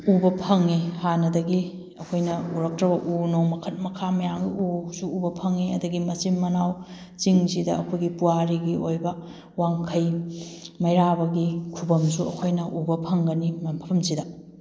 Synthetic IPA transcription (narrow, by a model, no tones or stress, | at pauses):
ubɐpʰɐŋːihanɐdɐɡi | ɐkʰojnɐuɾɐk̚tɾɐbɐʔunomɐkʰɐt̚mɐkʰamɐjaŋɡiusuːbɐpʰɐŋːiɐdɐɡimɐsimːɐnaw | t͡ʃiŋsidɐɐkʰojɡipuaɾiɡiojbɐ | waŋkʰɐj | mɐjɾabɐɡikʰubɐmsuɐ̰kʰojnɐʔubɐpʰɐŋɡɐnimbʱɐpʰɐmsidɐ